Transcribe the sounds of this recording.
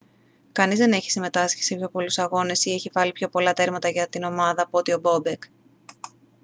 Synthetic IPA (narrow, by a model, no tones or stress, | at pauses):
kɐnizðe̞ne̞çi̥sime̞t̪ɐsci̥sepço̞po̞lusɐɣo̞ne̞sie̞çivɐlipço̞po̞lɐt̪e̞ɾmɐt̪ɐʝɐt̪ino̞mɐðɐpuo̞t̪io̞bo̞bek